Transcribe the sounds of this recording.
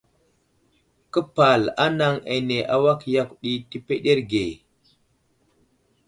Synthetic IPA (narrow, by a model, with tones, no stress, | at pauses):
kə˦pa˨la˦na˦ŋḛ˨ne˨ʔa˨wa˦kja˦kɗi˦ti˦pe˦ɗe˦ɾɡe˨